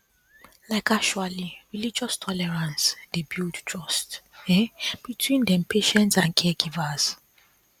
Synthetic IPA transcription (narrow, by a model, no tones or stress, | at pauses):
laɪkakʃualiɹilid͡ʒɔstʰɔlɛɹãnsdebildtʰɹɔstɛb̥itʰwĩndɛ̃mpʰeʃɛ̃ntsãnkʰɛɡivaz̥